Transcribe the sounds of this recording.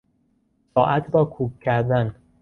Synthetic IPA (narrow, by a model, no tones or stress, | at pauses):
sɒːʔæt̪ʰɾɒːkʰuːkʰːæɾd̪æn